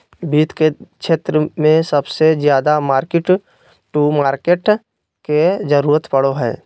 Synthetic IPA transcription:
biːt̪keʃeːt̪ɾəmẽsəbsezjaːd̪amaːɾkɪʈ | ʈumaːɾkeːʈ | ked͡ʒəɾuːɾət̪pɐɽoɦɛ̰ː

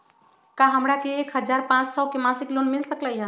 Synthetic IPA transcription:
kaɦəmɾakeːkɦəd͡ʒaɾpãt͡ʃsɔkemasiklonmilsəkləjɦə̃

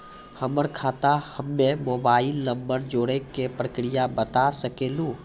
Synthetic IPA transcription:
həməɾkʰaːt̪ahəmːẽmoːbaːɪlːəmbəɾd͡ʒoːɽekepɾəkɾijabət̪asəkeːlũː

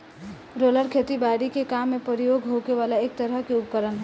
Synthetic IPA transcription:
ɾoləɾkʰet̪ibaɽikekamːepəɾijoɡɦokeʋalaek̚t̪əɾəɦkeʊpkəɾənɦɛ

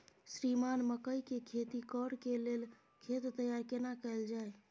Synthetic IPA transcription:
sɾimanməkəjkekʰet̪ikəɽkelel | kʰet̪ːəjaɾkenakəeld͡ʒae

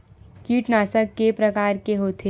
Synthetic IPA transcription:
kiːʈnaːsəkːepɾɐkaːɾkeɦoːt̪ʰe

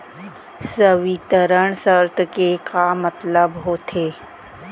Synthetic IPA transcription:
səʋɪt̪əɾəɳ̃səɾt̪kekamət̪ləbɦoːt̪ʰeː

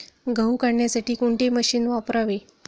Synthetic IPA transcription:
ɡʱəwkaɽɳjasaʈiːkoɳʈeməɕiːnʋapɾaʋe

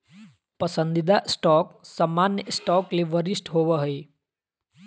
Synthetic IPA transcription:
pɐsə̃nd̪ɪd̪aʔɪsʈɔːksamːaːnjəɪsʈɔːkleʋəɾɪsʈɦoʋəɦəe

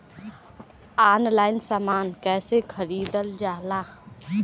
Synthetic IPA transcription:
aːnlaːɪnsaːmaːnkɛːsekʰəɾiːd̪əld͡ʒaːlaː

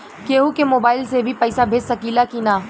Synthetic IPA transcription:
keːɦukemoːbaːɪlsebʱipɛːsabʱeːd͡ʒsɐkiːlakinaː

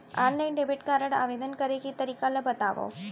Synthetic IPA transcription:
ʔaːnlɐɪnɖebɪʈkaːɾɐɽɐ̰ʋɐd̪ɐnkɐɾɐɣit̪ːɐɾɪkːaːlɐbɐt̪ːa̰ːʋo̰

